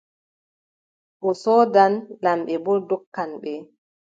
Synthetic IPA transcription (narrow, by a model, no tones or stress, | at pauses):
ɓɔsɔːdanlamɓɛbɔdɔkːanɓɛ